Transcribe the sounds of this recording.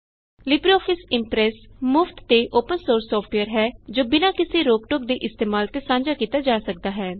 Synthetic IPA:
lɪbɾiɔːpʰɪsɪmpɾɛːs | mʊft̪ːeːʔoːpənsoːɾsːɔːfʰʈiəɾɦɛːd͡ʒoːbɪnaːkɪsiːɾoːk̚ʈok̚d̪iːʔɪst̪eːmaːlt̪eːsãːɲd͡ʒaːkiːt̪aːd͡ʒaːsək̚d̪aːɦɛː

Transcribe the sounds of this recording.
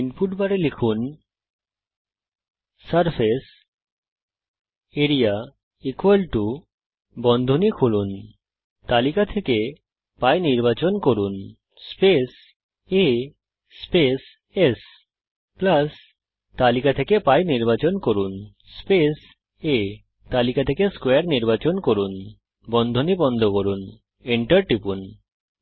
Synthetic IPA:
inpuʈbaɾelikʰun | əɾpʰes | eɾija | ikoalʈu | bɔnd̪ʱonikʰulun | t̪alikat̪ʰeke | pajniɾbat͡ɕonkoɾun | spes | e | spes | es | plas | t̪alikat̪ʰekepajniɾbat͡ɕonkoɾun | spes | e | t̪alikat̪ʰekeskweaɾniɾbat͡ɕonkoɾun | bɔnd̪ʱonibɔnd̪ʱokoɾun | iɳʈəɾʈɾipun

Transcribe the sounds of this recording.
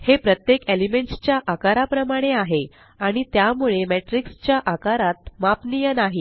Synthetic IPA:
hepɾət̪jekelimeɳʈst͡ɕjaʔakaɾapɾəmaɽ̃eaɦe | aɽ̃it̪jamuɭemɛʈɾikst͡ɕjaʔakaɾat̪mapnijənaɦi

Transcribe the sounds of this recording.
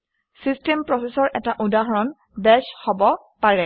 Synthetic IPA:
sistempɹɔsesɔɹʔɛtaʔudaɦɔɹɔn | bɛshobɔ | paɹɛ

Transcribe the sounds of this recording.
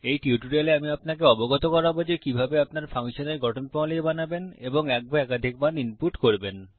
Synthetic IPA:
ejʈiuʈuɾeleamiapnakeɔboɡot̪okɔɾabod͡ʑekibʱabeapnaɾfʰaŋʃoneɾɡɔʈʰonpɔ̃leebanabeneboŋɛk̚baɛkad̪ʱik̚maninpuʈkoɾben

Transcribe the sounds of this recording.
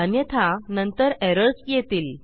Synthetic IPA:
ənjət̪ʰanənt̪əɾeɾəɾsjet̪iːl

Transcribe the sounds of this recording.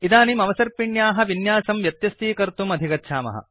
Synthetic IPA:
it̪aːnimɐʋɐsɐɾpiɳjaːɦɐ̆ʋinjaːsɐmʋjɐt̪jɐst̪iːkɐɾt̪umɐd̪ʱikɐtːʃʰaːmɐ̰ɦɐ̰

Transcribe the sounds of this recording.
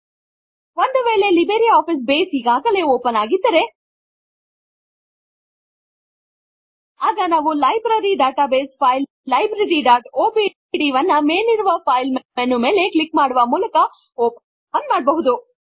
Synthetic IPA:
ʋond̪uʋe̞ːɭe̞libeɾiaːpis̬be̞ːsiɡaːɡɐle̞oːpɐnaːɡid̪ːɐɾe̞ | aːɡɐnaːʋulɐjbɾɐɾiɖaːʈaːbe̞ːspʰɐjl | lɐjbɾɐɾiɖaːʈoːpi | ɽiʋɐnːɐmeːliɾuʋɐpʰɐjlmenume̞ːle̞klikmaːɽuʋɐmuːlɐkɐ | oːp | ɐnmaːɽbɐɦud̪u

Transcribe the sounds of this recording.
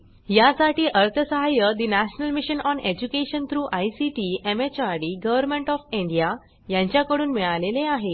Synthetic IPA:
jasaʈiːʔəɾt̪ʰəsəɦajəd̪inæɕnəlmiɕənɔned͡ʑukeɕənt̪ʰɾuːʔajsiʈiːemet͡ɕaɾɽiɡəʋəɾmeɳʈɔfĩɳɖija | jãɲt͡ɕjakəɽuːnmiɭaleleaɦe

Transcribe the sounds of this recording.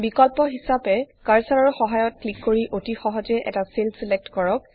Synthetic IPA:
bikɔlpɔɦisapɛkaɹsaɹɔɹxɔɦajɔt̚klikːoɹiʔotixɔɦɔzɛʔɛ̰taselsilɛk̚tkɔɹɔk̚

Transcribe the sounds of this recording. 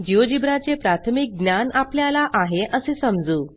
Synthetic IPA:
d͡ʑiod͡ʑibɾat͡sepɾat̪ʰəmik̚ɡnjanapljalaʔaɦeʔəsesəmd͡zuː

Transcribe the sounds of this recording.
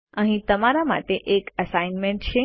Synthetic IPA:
əɦĩt̪əmaɾama̰ʈeʔekəsainmeɳʈt͡ʃʰe

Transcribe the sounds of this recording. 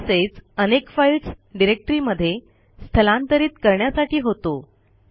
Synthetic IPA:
set͡sənekfailsɖiɾek̚ʈɾiːməd̪ʱːje | st̪ʰəlãnt̪əɾiːt̪kəɾɳjasaʈiːɦot̪o

